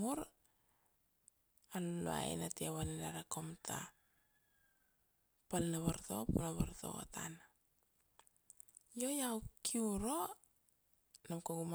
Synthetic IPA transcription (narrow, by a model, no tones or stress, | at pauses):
uɾ | anloa̰ḛnatiaβanenaɾakomtʰa̰ | palnaβaɾto̞̰punaβaɾto̞̰o̰tʰa̰n | io̞jawkʰiuɾo̞ | namkoɡum